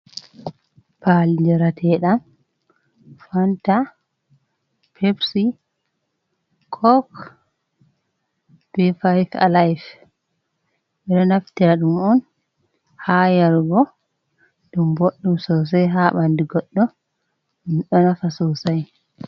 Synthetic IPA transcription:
palid͡ʒɛɾatʰɛɗam | fanta | pʰebsi | kʰɔk | b̥ifajfa̰lajf | ɓɛɗɔnaftiaɗumɔn | haːjaɾɡɔ | ɗumboɗːumsɔws̬ajɦaɓandiɡɔɗːɔ | umɗɔnafasɔsaj

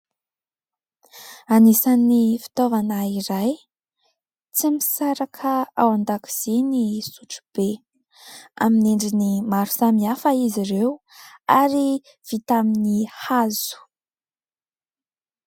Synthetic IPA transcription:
anisanːifi̥t̪ovanaiɾaj | t͡simisaɾakʰəawand̪aki̥z̥enisuʈ͡ʂu̥b̥e | a̰mineɳɖ͡ʐinimaɾu̥samiafaiziɾew | aɾi | v̥it̪aminihazu̥

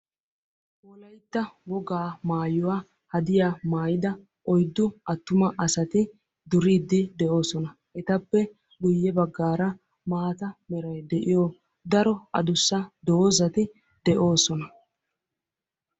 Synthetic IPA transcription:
ʔɔlɐjt̪ːɐwɔɡaːmaːjʊwaː | hɐd̪ɪjaːmaːjɪd̪ɐ | ʔɔjd̪ːʊʔɐt̪ːʊmɐʔɐsɐt̪ɪ | d̪ʊɾiːd̪ːɪd̪ɛʔo̞ːsɔnɐ | ʔɛt̪ɐpːɛ | ɗʊjːɛbɐɡːaːɾɐ | maːt̪ɐmɛɾɐjd̪ɛʔɪjoː | d̪ɐɾɔɐ̰d̪ʊsːɐd̪oːzɐt̪ɪ | d̪ɛʔo̞ːsɔnɐ

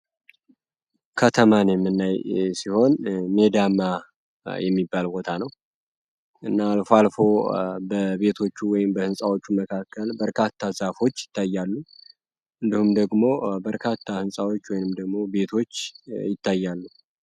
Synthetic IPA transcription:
kʰət̪ʰəmanjɛmːɨnːajsiho̞nme̞d̪ama | jɛmːibːalbo̞t̪ʰanəw | ʔɨnːaːlfoalfo̞bəbe̞t̪ʰo̞t͡ʃːuwɔjɪmbəhɨnsʼawo̞t͡ʃːuməkʰakʰːəlbəɾkʰat̪ʰːazafo̞t͡ʃːjɪ̥t̪ʰːajːalːu | ʔɨnd̪ihumd̪əɡmo̞bəɾkʰat̪ʰːahɨnsʼawo̞t͡ʃːwɔjnɨmd̪əɡmo̞be̞t̪ʰo̞t͡ʃːjɪt̪ʰːajːalːu

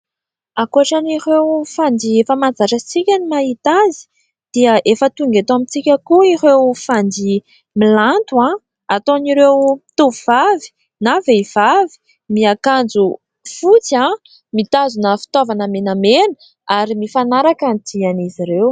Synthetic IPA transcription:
akuaʈ͡ʂaniɾewfand̪iefəmand͡zaʈ͡ʂat͡sikʲanimaɦit̪azi̥ | d̪̥iəʔefət̪uŋɡet̪amit͡sikʲakuirewfand̪i | milant̪uã | at̪oniɾewit̪uvuvavi̥ | naveiv̥avi̥ | miakand͡zu | fut͡siã | mit̪azunəfi̥t̪ovanəmenamenə̥ | aɾimifanaɾakand̪ianiziɾew

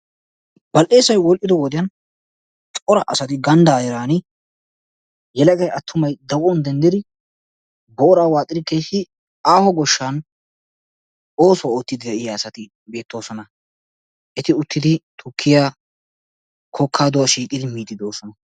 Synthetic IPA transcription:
b̥ɐlʔe̞ːsɐjwɔlʔɪd̪ɔwɔd̪ɪjɐn | t̪ʼɔɾɐʔɐsɐt̪ɪɡɐnd̪ɐːjɛɾaːnɪ | jɛlɐkɐjɐt̪ʰːʊmɐjd̪ɐwɔnd̪ɛnd̪ɪd̪ɪ | bɔːɾaːwaːt̪ʼɪd̪ɪkːeːsɪ | aːhɔɡɔʃːan | oːsɔwaoːt̪ːɪd̪ɪd̪ɛɪjɐːsɐt̪ɪ | be̞ːt̪ːo̞ːsɔnɐ | ʔɛt̪ɪʊt̪ːɪd̪ɪt̪ʰʊkʰːɪjaː | kʰɔkʰːaːd̪ʊwɐʃiːkʼɪd̪ɪmiːd̪ɪd̪o̞ːsɔnɐ

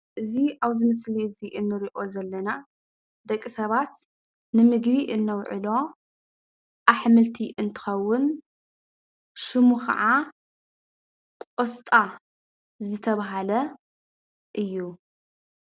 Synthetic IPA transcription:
ʔɨziaβzɨmɨsliɨziʔɨnːɨɾiʔo̞zɐlːɐna | d̪ɐkʼːisɐβat̪ | nɨmɨɡβiʔɨnːɐwʕɨ̰lo̞ | ʔaħmɨlt̪ʰiʔɨnt̪ʰɨ̥xɐwːʊn | ʃɨmuxa̰ʕa | kʼost̪ʼa | zɨt̪ʰɐβaɦalɐ | ʔɨjːu

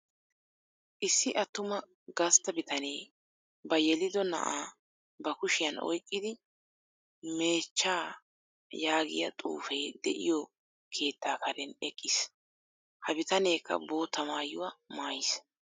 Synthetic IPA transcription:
ʔɪsːɪʔɐt̪ːʊmɐ | ɡɐst̪ːɐbɪt̪ɐne̞ː | bɐjɛlɪd̪ɔnɐ̰ʔaː | bɐkʊʃɪjɐnɔ̰jkʼːɪd̪ɪ | me̞ːt͡ʃːaː | jaːɡɪ̰jɐ̰t̪ʼṵːfejd̪̥ɛ̰ʔɪ̰jɔ | kʰe̞ːt̪ːaːkʰɐɾɛnɛkʼːɪs | hɐbɪt̪ɐne̞ːkːɐ̰bo̞ːt̪ːɐmaːjʊwamaːjɪs

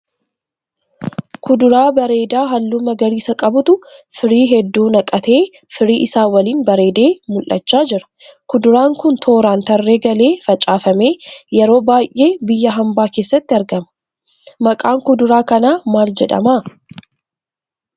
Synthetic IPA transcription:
kʊd̪ʊɾaːbɐɾe̞ːd̪aːɦɐlːumɐɡɐɾiːsɐkʼɐbʊt̪ʊfɪɾiːɦɛd̪ːuːnɐkʼɐt̪e̞ː | fɪɾiːʔɪsaːwɐliːnbɐɾe̞ːd̪e̞ːmʊlʔɐ̰t͡ʃːaːd͡ʒɪɾɐ̥ | kʊd̪ʊɾaːŋkʊnt̪ʰo̞ːɾaːnt̪ɐrːe̞ːɡɐle̞ːfɐt͡ʃʼaːfɐme̞ːjɛɾo̞ːbaːjʔe̞ːbɪjːɐɦɐmbaːkeːsːɐt̪ːɪɐɾɡɐmɐ̥ | mɐkʼaːŋkʊd̪ʊɾaːkɐnaːmaːld͡ʒɛᶑɐ̰maː

